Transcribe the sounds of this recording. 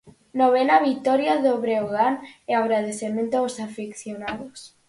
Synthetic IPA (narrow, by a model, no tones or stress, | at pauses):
noβenaβit̪ɔɾjaðoβɾeoɣaneaɣɾað̞eθemẽnt̪oaosafikθjonaðos